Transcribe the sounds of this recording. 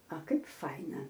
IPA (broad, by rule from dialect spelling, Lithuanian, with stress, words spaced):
ɐ ˈkɐɪp ˈfɐɪnɐ